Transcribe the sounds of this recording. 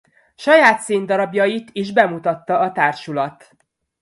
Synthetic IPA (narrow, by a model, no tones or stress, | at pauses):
ʃɒjaːt̪seːnd̪ɒɾɒbjɒjit̪iʒbɛmut̪ɒt̪ːɒɒt̪aːrʃulɒt̪